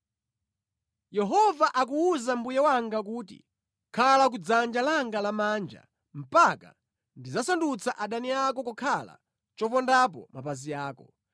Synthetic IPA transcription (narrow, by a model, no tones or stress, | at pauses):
jɛɦɔvaʔak̬uuzambujɛwaŋɡak̬uːtḭ | kʰalak̬ud͡zand͡ʒalaŋɡalamaːnd͡ʒa̰ | m̩paka̰ | ndizasandut͡sʰaʔaɗaniakɔkɔkʰala̰ | t͡ʃɔpɔndap̬ɔ̰mapazijaːkɔ